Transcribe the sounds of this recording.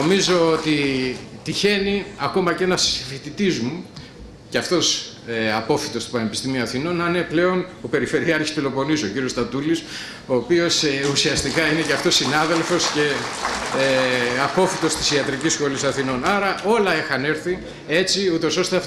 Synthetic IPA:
omizo̞ot̪it̪içe̞niɐko̞mɐce̞nɐsfit̪it̪izmu | ceɐft̪o̞s | ɐpo̞fit̪o̞st̪u̥pɐne̞pist̪imiuɐθino̞nɐne̞ple̞o̞nope̞ɾife̞ɾiɐɾçispilo̞po̞niso̞ciɾio̞st̪ɐt̪ulis | o̞ːpio̞susiɐst̪ikɐine̞ceɐft̪o̞sinɐðe̞lfo̞sce̞ | ɐpo̞fit̪o̞st̪i̥siɐt̪ɾicisxo̞lisɐθino̞nɐɾɐʔo̞lɐexɐne̞ɾθi | e̞t͡siut̪o̞so̞st̪eɐf

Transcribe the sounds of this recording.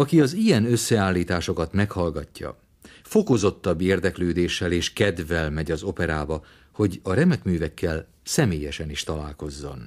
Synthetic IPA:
ɒkiɒzijɛnø̞sːɛaːlːiːt̪aːʃo̞kɒt̪mɛkhɒlɡɒcːɒ̰ | fo̞ko̞zo̞t̪ːɒbːeːrd̪ɛkløːd̪eːʃːɛleːʃkɛd̪vɛlmɛɟɒzo̞pɛɾaːbɒ | ho̞ɟɒɾɛmɛkmyːvɛkːɛl | sɛmeːjɛʃɛniʃt̪ɒla̰ːlko̞zːo̞̰n

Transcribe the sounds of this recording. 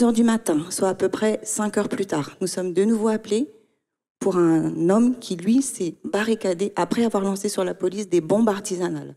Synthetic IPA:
zœʁd̪ymat̪ɛ̃swaːpøpχɛsɛ̃kœʁplyt̪aːʁnusɔmd̪ənuvoaple | puʁɛ̃nɔmkʲʰilɥisɛbaʁikad̪eʔapχɛavwaʁlɑ̃sesyʁlapɔlisd̪ebɔ̃baʁt̪izanal

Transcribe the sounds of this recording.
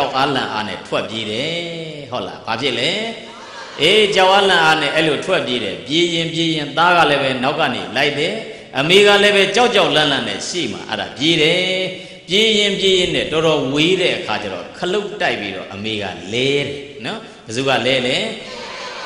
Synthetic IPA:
ʊʔalã̰ʔa̰nɛ̰tʰwɛʔpjeɾɛhoʊʔla̰bapʰjɪʔlɛ | ʔet͡ɕaʊʔalãʔanɛ̰ʔɛilotʰwɛʔp̬jeɾɛ̰pjejɪ̃p̬jejɪ̃nt̪aɣa̰lɛbɛnaʊʔkːã̰nḛlaɪʔt̪ɛ | ʔəmeɣalɛβɛt͡ɕaʊʔt͡ɕaʊʔlãlãnɛ̰ʃḛm̥a̰ʔɛ̰ɾa̰pjeɾɛ | pjejɪ̃pjejɪ̃nɛ̰̃tɔɾɔweɾɛ̰ʔəkʰat͡ɕa̰ɾɔ̰kʰəloʊtːaɪpːiɾɔ̰ʔəmeɣa̰lɛɾɛ | nɔ | bəzuɣa̰lɛlɛ

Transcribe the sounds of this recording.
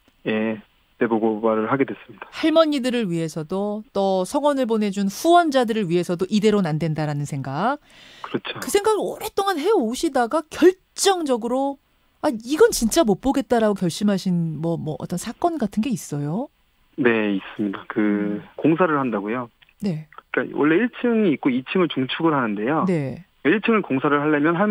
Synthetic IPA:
je̞ | te̞boɡobaɾɯɭɦaɡe̞dwes͈ɯmɲid̥ḁhaɭmʌɲːidɯɾɯɭɥiɦe̞sʰʌdot͈ʌsʰʌŋʌnɯɭbone̞d͡ʑunɸuwʌnd͡ʑadɯɾɯɭɥiɦe̞sʰʌdoʔide̞ɾonandwe̞ndaɾanɯnsʰe̞ŋɡak̚ | kɯɾʌt͡ɕʰokɯsʰe̞ŋɡaɡɯʌɾet͈oŋanɦe̞oɕʰidaɡakjʌɭ | t͡ɕ͈ʌŋd͡ʑʌɡɯɾo | aiɡʌnt͡ɕint͡ɕ͈amop͈oɡe̞t̚t͈aɾaɡokjʌɭɕ͈imɦaɕʰinmwʌmwʌʔʌ̰t͈ʌnsʰak͈ʌnɡatʰɯnɡe̞is͈ʌjo | ne̞is͈ɯmɲidakɯkoŋs̬ʰaɾɯɭɦandaɡojo | ne̞ik͈awʌ̰ɭːe̞iɭt͡ɕʰɯŋiːk̚k͈oit͡ɕʰɯŋɯɭt͡ɕuŋt͡ɕʰuɡɯɾɦanɯnde̞jone̞ | iɭt͡ɕʰɯŋɯɭkoŋsʰaɾɯɭɦaʎːamjʌnɦa

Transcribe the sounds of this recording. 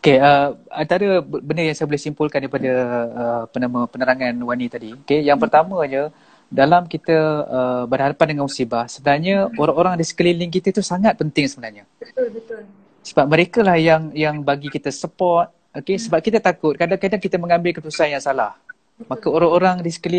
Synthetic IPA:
okeəant̪aɾəbəndərjaŋsajabolɛhsimpʊlkandaɾipadəəpənamə̃pənəɾaŋanwanit̪adiokejaŋpərt̪amə̃ɲə | dalamkit̪əəbənhadapandəŋanmusibahsəbənarɲəoɾaŋoɾaŋdisə̥kəlilɪŋkit̪ət̪usaŋat̪̚pənt̪ɪŋsəbənarɲə | əbət̪ʊl | səbap̚məɾekalahjaŋjaŋbaɡikit̪əsəpɔt̪̚ | okesəbap̚kit̪ət̪akʊt̪̚kadaŋkadaŋkit̪əməŋãmbɪlkət̪usanjaŋsalah | makəoɾaŋoɾaŋdisə̥kəli

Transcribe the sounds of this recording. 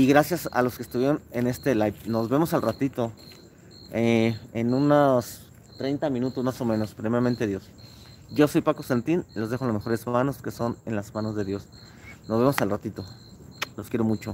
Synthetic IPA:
iɣɾasjasa̰lo̞skest̪uβjeɾo̞nene̞st̪e̞lajpno̞zβe̞mo̞salrat̪it̪o̞ | eenunos | t̪ɾe̞jnt̪amĩnut̪o̞zmaso̞mẽ̞no̞spɾemeɾament̪eðjo̞s | ɟ͡ʝo̞so̞jpakost̪ant̪inlo̞zðexolazme̞xo̞ɾe̞zmano̞ske̞sonḛnlazmãno̞zðe̞ðjo̞s | no̞zβemo̞salrat̪it̪o̞ | loskje̞ɾo̞mut͡ʃo̞

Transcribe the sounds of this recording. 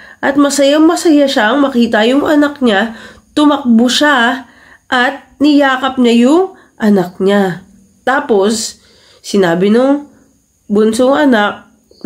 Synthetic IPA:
ʔɐt̪̚mɐsɐjaŋmɐsɐjaʃaʔɐŋmɐkiːt̪ɐjʊŋʔɐnɐk̚ɲat̪ʊmɐk̚bʊʃa | ʔɐt̪̚nɪjaːkɐp̚ɲajʊŋ | ʔɐnɐk̚ɲa | t̪aːpo̞sː | ɪnaːbɪnʊŋ | bʊnsʊŋɐnak̚

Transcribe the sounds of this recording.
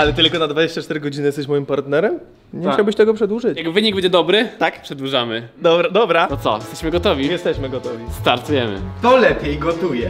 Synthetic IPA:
alɛt̪ɘlkɔnad̪vad͡ʑeɕt͡ɕat͡ʂt̪ɛɾɘɡɔd͡ʑinɘjɛst̪ɛɕ̬mɔjimpaɾt̪nɛɾɛm | ɲɛt͡ɕawbɘɕt̪ɛɡɔpʂɛd̪wuʐɘt͡ɕjaɡvɘɲiɡbɛɲd͡ʑɛd̪ɔbɾɘt̪akpʂɛd̪wuʐamɘd̪ɔbɾad̪ɔbɾat̪ɔt̪sɔ̰jɛst̪ɛɕmɘɡɔt̪ɔvʲijɛst̪ɛɕmɘɡɔt̪ɔvʲist̪aɾt̪ujɛmɘ̰t̪ɔlɛpʲjejɡɔt̪ujɛ

